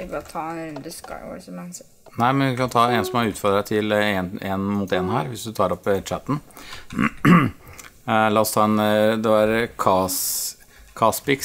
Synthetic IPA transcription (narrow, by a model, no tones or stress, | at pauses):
ɪbɑt̪ʰɑːɛnɾʉnd̪əska̰ɪʋɔ̰smænsɛ | næɪmɛnʋɪkɑnt̪ʰɑːensɔmɑʉːt̪fɔɾd̪ədæt̪ʰɪlɛenmut̪eːnhæːɾʋɪsd̪ʉt̪ʰɑːɾɔpːt͡ʃæt̪ːən̩ | lɑːɔst̪ʰɑːɛnd̪ɛæɾkʰɑs | kʰɑspɪks